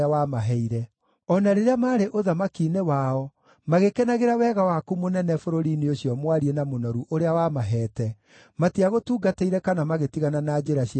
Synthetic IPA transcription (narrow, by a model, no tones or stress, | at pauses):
awamaɦɛiɾɛ | ɔnaɾeɾeamaːɾeʔoðamakiːnewaɔ | maɣekenaɣeɾawɛɣawakumonɛnɛfoɾoɾiːneoɕjɔmwaɾienamonɔɾuʔoɾeawamaɦɛːtɛ | matiaɣotuːɡateiɾɛkanamaɣetiɣananad͡ʒeɾaɕi